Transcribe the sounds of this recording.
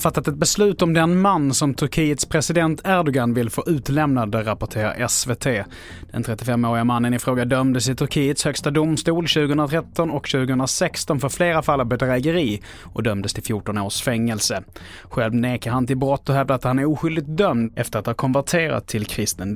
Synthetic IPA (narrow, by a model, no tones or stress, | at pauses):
fat̪ːat̪ɛt̪̚bɛslʉ̟ːt̪ɔmd̪ɛnmanːsɔmt̪ʰɵɾkʰiːət̪spʰɾɛsɪd̪ɛnt̪ʰæɾɖɔɡanvɪlfoːʔʉ̟ːt̪lɛmnad̪əɾapɔʈʰeːɾa̰ʔɛsveːt̪ʰeː | d̪̥ɛ̰nt̪ʰɾɛt̪ːɪfɛmːoːɾɪamanːənɪfɾoːɡad̪œmd̪əsɪt̪ʰɵɾkʰiːət̪shœkst̪ad̪ʊmst̪uːlɕʉ̟ːɡəhɵnɾat̪ʰɾɛt̪ʰːɔnɔkɕʉ̟ːɡəhɵnɾasɛkst̪ɔnfœɾfleːɾafalːavbɛd̪ɾæːɡəɾiː | ʔɔkd̪œmd̪əst̪ʰɪlfjuʈɔnoːʂfɛŋːɛlsəɧɛlvneːkəɾhant̪ɪlbɾɔt̪ːɔɦœvd̪əat̪hanɛɾuːɧʏld̪ɪɡt̪̚d̪œmd̪ɛ̰ft̪əɾat̪hɑːɾkʰɔnvæʈʰeːɾa̰t̪ʰːɪlkʰɾɪst̪ən